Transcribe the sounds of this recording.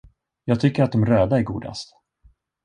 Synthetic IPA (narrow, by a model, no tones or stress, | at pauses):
jɑːɡ̚t̪ʰʏkːəɾat̪̚d̪ɔmɾøːd̪aɛɾɡṵːd̪a̰st̪